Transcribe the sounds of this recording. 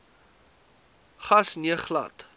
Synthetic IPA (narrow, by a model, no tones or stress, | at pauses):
χɐsniəχlɐ̰t